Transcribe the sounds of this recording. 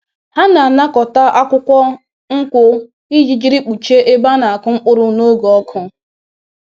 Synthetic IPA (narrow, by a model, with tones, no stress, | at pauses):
ha˦na˨a˨na˦kɔ˨ta˦ʔa˦kʷʊ˦kʷɔ˦ | ŋ̩˦kʷʊ˦ | i˦d͡ʒi˨d͡ʒi˦ɾi˦k͡pu˨t͡ʃe˦ʔe˦ba˦na˨a˨kʊ˦ŋ͡m̩˦k͡pʊ˦ɾʊ˦no˦ɡo˨ɔ˦kʰʊ˦